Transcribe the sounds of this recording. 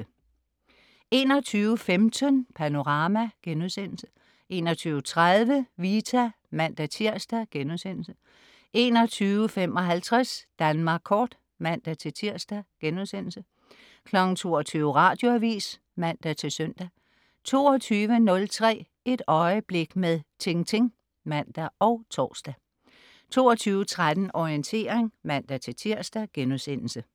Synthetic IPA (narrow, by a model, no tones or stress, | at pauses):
e̝̰ːnɒ̽t͡sʰyːʊəfemt͡sʰənpʰæno̝ʁɑ̈ːmæɡ̥enuðˠsen̰l̩sə | ʔe̝ːnɒt͡sʰyːʊət͡sʰʁaðˠʋəʋit͡sʰæ | mæn̰d̥æt͡sʰiɐ̰sd̥æɡ̥enuðˠsen̰l̩sə | ʔe̝ːnɒ̽t͡sʰyːʊəfem̰ɒ̽ɦælt͡sʰʁasd̥ænmɑ̈ːɡ̥kʰɒːd̥ | mæn̰d̥æt͡sʰe̝t͡sʰiɐ̰sd̥æɡ̥enuðˠsen̰l̩sə | kʰlɒ̽ɡ̥n̩t͡sʰo̝̰ːɒt͡sʰyːʊəʁɑ̈ːd̥jo̝æʋḭːs | mæn̰d̥æt͡sʰe̝lsœn̰d̥æ | t͡sʰo̝̰ːɒt͡sʰyːʋənɔ̽lt͡sʰʁɛ̰ː | e̝d̥ɒ̽ɪəb̥le̝ɡ̥meðˠt͡sʰe̝ŋt͡sʰe̝ŋ | mæn̰d̥æɒ̽ʊt͡sʰɒ̰ːsd̥æ | t͡sʰo̝ːɒt͡sʰyːʊət͡sʰʁad̥n̩ɒiənt͡sʰe̝̰ːɐʁeŋmæn̰d̥æt͡sʰe̝t͡sʰiɐ̰sd̥æɡ̥enusen̰l̩sə